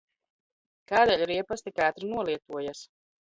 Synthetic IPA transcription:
kaːd̪ɛʎʲiɾiɛpast̪ikaːt̪ɾinuɔlˠiɛt̪uɔjas

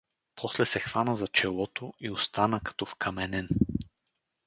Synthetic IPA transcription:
pʰɔslɛsɛxvanəzɐt͡ʃɛlˠɔt̪oiost̪anəkɐ̥t̪ɔfkʰɐmɛnɛn

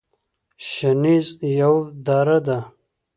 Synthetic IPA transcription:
ʃanizjawd̪aːɾad̪a

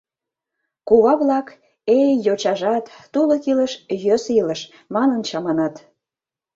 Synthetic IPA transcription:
kuβɑβlɑk | ejot͡ɕɑʒɑt̪ːuləkiləʃjøsiləʃ | mɑnənt͡ɕɑmɑnɑt̪

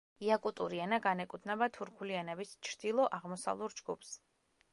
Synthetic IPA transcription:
iakʼut̪ʼuɾianaɡanɛkʼut̪ʰnɛbat̪ʰuɾkʰulianɛbist͡ʃʰɾd̪̥ilˠɔʔaʁmɔsa̰vlˠuɾd͡ʒɡṵpʰs

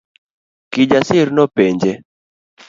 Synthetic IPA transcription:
kɪd͡ʒasɪɾnɔpeɲd͡ʒe

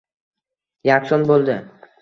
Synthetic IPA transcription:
jaksɒnbolˠd̪ɪ

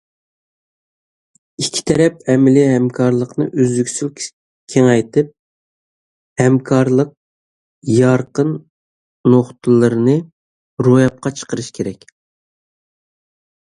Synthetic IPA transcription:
ikʲʰːi̥t̪ʰɛɾɛpɛmɪlɪɦɛmkʰɑɾlˠəqnɨʔyzykʲsylʲʰ | kʲʰeŋɑjt̪ʰɨp̚ | hɛmkʰɑɾlˠəq̚ | jɑɾqənː | oχt̪ʰɨlˠɨɾɨnɨ | ɾojɑp̚qʰɑt͡ʃʰə̥qəɾɨʃkʲʰeɾɛkʲ

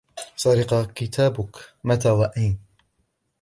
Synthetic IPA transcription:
sˤɑɾiqɑkit̪ʰaːbʊkmat̪ʰaːwaʔajn

